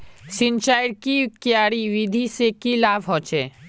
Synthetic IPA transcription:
sɪ̃nt͡ʃaːjɽkikijaːɽiʋid̪ʱisekilaːbɦot͡ʃʰeː

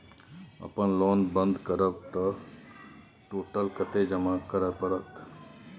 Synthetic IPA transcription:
ɐ̰pənlɔːnbə̃nd̪kəɾəbt̪ɐ | ʈoːʈəlkət̪ed͡ʒəmakəɾəpəɽət̪

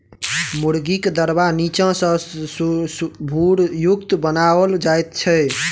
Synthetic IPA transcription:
muɾɡikd̪əɾbanit͡ʃə̃sə̃ssbʱuɽjukt̪bənaəld͡ʒajt̪̚t͡ʃʰɛ

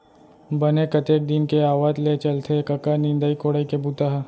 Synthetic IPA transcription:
bɐnekɐt̪eːk̚d̪ɪnkeaːʋaːt̪let͡ʃɐlt̪ʰekɐkanĩnd̪əːikoːɽəikebut̪aɦ

